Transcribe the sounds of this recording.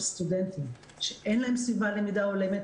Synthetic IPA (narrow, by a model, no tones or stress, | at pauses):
st̪ud̪ent̪im | ʃeʔenlaɦemsvivalemid̪aolemet